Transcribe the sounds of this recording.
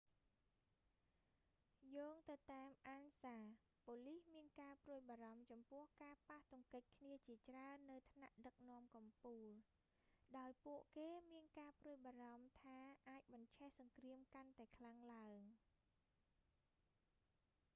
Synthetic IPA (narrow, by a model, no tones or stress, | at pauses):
joːŋt̪ɨwt̪aɛmʔaːnsaː | poːlihmiənkaːpruəjɓaːɾɑmt͡ɕɑmpʊ̆əhkaːpaht̪ʊŋkəc̚kʰniət͡ɕiət͡ɕraənːɨwt̪ʰnaʔɗək̚nŏəmkɑmpuːl | ɗaɔjpuəʔkeːmiənkaːpruəjɓaːrɑmt̪ʰaːʔaːc̚ɓɑɲt͡ɕʰɛhsɑŋkriəmkant̪aɛkʰlaŋlaəŋ